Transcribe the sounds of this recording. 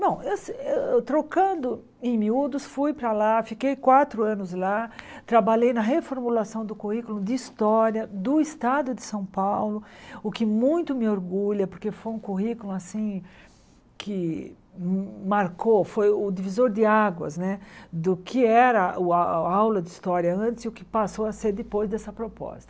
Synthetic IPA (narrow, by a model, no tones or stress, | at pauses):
nɐ̃w̃ewsewewt̪ɾokɐ̃nd̪ʊ | ẽmiud̪ʊsfujpɾɐlafikejkwat̪ɾʊɐ̃nʊzlat̪ɾabaʎejnɐɦefoɾmulasɐ̃w̃d̪ʊkuhikulʊ̃d̪ɪist̪ɔɾjɐd̪ʊɪst̪ad̪ʊd̪ɪsɐ̃w̃pawlʊʊkɪmũj̃t̪ʊmɪoɾɡuʎɐpoɾkefojũkuɦikulʊ̃asĩ | kʰɪ | maɾkofojʊd̪ivizoɾd̪ɪaɡwɐ̰znɛd̪ʊkɪɛɾɐʔʊaawlɐd̪ɪist̪ɔɾjɐɐ̃t̪ɪsʊkɪ̥pasoɐseɾd̪ɪpojzd̪ɛsɐpɾopɔ̰st̪ɐ̥